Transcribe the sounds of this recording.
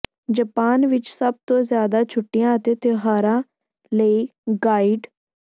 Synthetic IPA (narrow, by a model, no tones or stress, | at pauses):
d͡ʒəpaːnʋɪt͡ʃsəb̚t̪õːzjaːd̪aːt͡ʃʰʊʈːɪjãːət̪eːt̪eɦaːɾãː | ləiːɡaːɪɖ